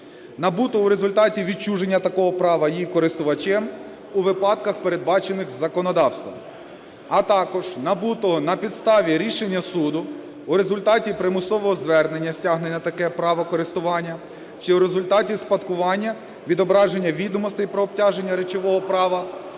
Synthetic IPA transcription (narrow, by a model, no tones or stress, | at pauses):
nɐbut̪ɔʊɾe̞zʊlʲt̪ɑtʲiʋʲit͡ʃuʒe̞nʲːɐt̪ɐkɔɦɔpɾɑʋɐjikɔɾɪst̪ʊʋɐt͡ʃɪm | uʋɪpɑd̪kɐxpeɾe̞d̪̚bɑt͡ʃe̞nɪxzɐkɔnɔd̪ɑwst̪ʋɐ̰m | ɐt̪ɑkɔʒ̥nɐbut̪ɔɔnɐpʲid̪st̪ɑʋʲiɾʲiʃe̞nʲːɐsud̪ʊː | ɾe̞zʊlʲt̪ɑtʲipɾɪmʊsɔʋɔɦɔzʋɛrne̞nʲːɐsʲtʲaɦnenʲɐt̪ɐkɛpɾɑʋɐkɔɾɪst̪ʊʋɑnʲːɐ | t͡ʃɪuɾe̞zʊlʲt̪ɑtʲispɐt̪kʊʋɑnʲːɐ | ʋʲid̪ɔbɾɑʒe̞nʲːɐʋʲid̪ɔmɔst̪ɪjpɾɔːb̚tʲaʒe̞nʲːɐɾet͡ʃɔʋɔɦɔpɾɑʋɐ